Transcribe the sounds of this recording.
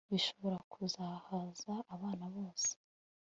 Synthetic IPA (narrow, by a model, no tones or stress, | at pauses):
βiʃo̞βoɾakʰuzahazaːβaːnaβo̞ːse̥